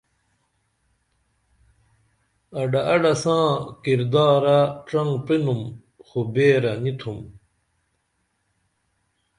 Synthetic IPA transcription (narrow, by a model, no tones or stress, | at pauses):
ɐɖaɐɖɐsãːkiɾd̪aːɾaʈ͡ʂɐŋpinum | xobeːɾɐnit̪ʰum